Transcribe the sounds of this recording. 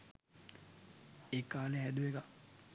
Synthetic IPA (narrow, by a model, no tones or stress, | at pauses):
ekaːleɦæd̪uʋeɡa